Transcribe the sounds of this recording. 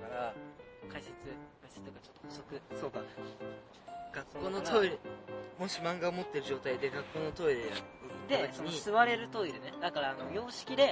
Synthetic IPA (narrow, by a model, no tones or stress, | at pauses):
kaɾakaiset͡sɨkkaise̥t͡sɨ̥t̪okat͡ɕot̪ːooso̞kɯ̟soːka | ɡ̥akːo̞ːnot̪ʰo̞iɾɯmo̞ɕimãŋɡaomo̞t̪ːe̞ɾɯʑo̞ːt̪aid̪e̞ɡakːo̞ːno̞t̪o̞iɾeaɯd̪e̞soniisɨβaɾe̞ɾɯ̟t̪o̞iɾɯ̟ned̪akaɾaːno̞jʲo̞ːɕi̥kʲid̪e̞